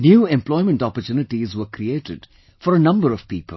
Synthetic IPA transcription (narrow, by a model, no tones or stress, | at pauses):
njuːɛ̃mplɔɪmə̃ɳʈɔpəɾt͡ʃuːnɪʈizʋəkɾieːʈɪ̰ɖ | fɔɾənʌ̃mbəɾɔʋ̥piːpəl̩